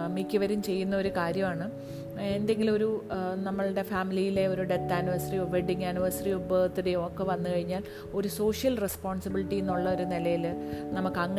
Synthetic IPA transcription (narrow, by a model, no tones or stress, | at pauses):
mikʲːuʋɐɾumt͡ɕe̞jːunːɐoɾukaːɾjɐmaːɳɨ | e̞nd̪e̞ŋɡilo̞ɾunɐmːɐɭɽe̞faːmilijile̞o̞ɾuɖe̞t̪ːaːniʋɐɾsɐrioʋeɖiŋaniʋɐɾsɐriubɐt̪ːiɽeo̞ːkːeʋɐnːɨkɐɻiɲːaːl | o̞ɾuso̞ːʂjɐlrespoːɳsɐbiliʈːijenːuɭːɐo̞ɾunilɐjilnɐmukːɐŋːɐ